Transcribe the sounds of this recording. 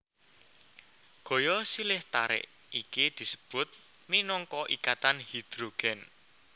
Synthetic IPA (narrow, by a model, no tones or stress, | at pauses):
ɡ̥o̤jɔsilɪht̪aɾɪ̰ʔ | ikid̪̥i̤sə̥b̥ʊ̤t̪̚ | minɔŋkɔʔikat̪anhid̪̥ɾoɡ̥ɛn